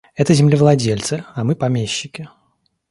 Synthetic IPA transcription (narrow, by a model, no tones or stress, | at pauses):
ɛt̪əzʲɪmlʲɪvlˠɐdʲelʲt̪sɨɐmɨpɐmʲeɕːɪkʲɪ